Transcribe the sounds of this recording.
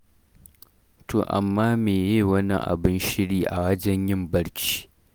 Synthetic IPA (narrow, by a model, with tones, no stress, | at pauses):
tʰo̰ː˨ʔa̰˨mːaː˦meː˨jeː˦˨wɐ˦nḭ˦˨ʔa̰˨bɪ˦nʃɪ˦ɽiː˦ʔa˨wɐ˦d͡ʒɛ˦ɲjɪ˦mbɐ˦ɽt͡ʃi̥ː˦